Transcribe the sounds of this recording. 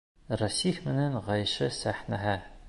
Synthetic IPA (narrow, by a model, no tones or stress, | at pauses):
rɐsifmɘ̆næŋʁɑjʃɤsæħnæɦæ